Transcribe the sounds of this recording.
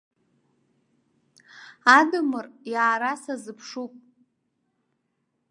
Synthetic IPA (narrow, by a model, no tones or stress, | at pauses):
adɨmɨrjaːɾasazɨpʰʂupʼ